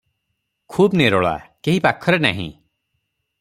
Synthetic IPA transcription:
kʰuːbneɾɔɭa̰keɦipakʰːɔɾena̰ɦḭ̃

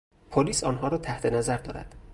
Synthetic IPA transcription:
pʰoliːsɒːnɦɒːɾɒːt̪ʰæht̪ʰe̞næzæɾd̪ɒːɾæ̰d̪̥

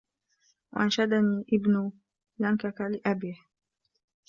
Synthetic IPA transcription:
wa̰ʔanʃad̪aniːʔɪbnʊ | laŋkakalɪʔabiːh

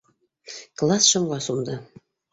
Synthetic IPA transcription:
klˠɑsʃɤ̆mwɑsund̪ɤ̆

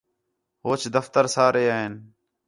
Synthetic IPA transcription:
ɦoːt͡ʃd̪əft̪əɾsaːɾeːaːɦeːn

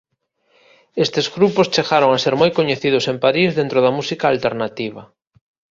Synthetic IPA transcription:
est̪ezɣɾupost͡ʃeɣaɾoŋaseɾmojkoɲeθiðʊsempaɾizðent̪ɾʊðɐmusikaːlt̪eɾnat̪iβ̞ɐ

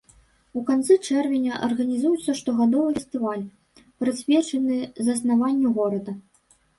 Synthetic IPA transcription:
ukant̪sɨt͡ʂɛrvʲenʲɐʔɐ̰rɣɐnʲizujut̪sːɐʂt̪ɔɣad̪ɔvɨfʲɛst̪ɨvalʲ | pɾɨsʲvʲɛt͡ʂɐnɨzɐsnavanʲːuɣɔɾɐd̪ɐ

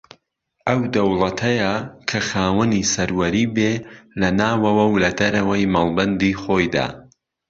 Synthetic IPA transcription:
ʔɐwd̪ɐwlˠɐt̪ʰɐjɐkʰɐxaːwɐnisɐɾwɐɾiːbeːlɐnaːwɐwɐwlɐd̪ɐɾɐwɐjmalˠbɐnd̪iːxoːjd̪a̰ː

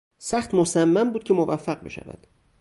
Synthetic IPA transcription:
sæxt̪mosæmːæmbuːd̪̥̚kʰʲcʰemovæfːæɢbḛʃæ̰væ̰d̪̥

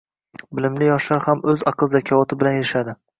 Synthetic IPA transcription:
bɪlɪmlɪjɒʃlaɾhamɵzɑqʰɨlˠzakʲʰɒvɒt̪ʰɪbɪlanjeɾɪʃad̪ɪ

